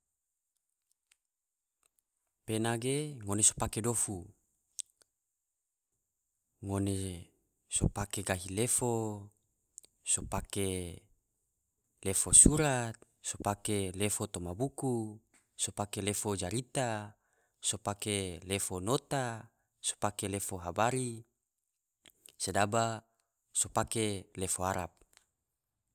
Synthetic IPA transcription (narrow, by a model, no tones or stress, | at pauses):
penaɡeŋoneso̥pakedofu | ŋone | sopakeɡaɦilefo | sopake | lefosuɾat̪̚ | sopakelefot̪omabuku | sopakelefod͡ʒaɾit̪a | sopakelefonot̪a | so̥pakelefoɦabaɾi | sedaba | sopakelefoaɾap̚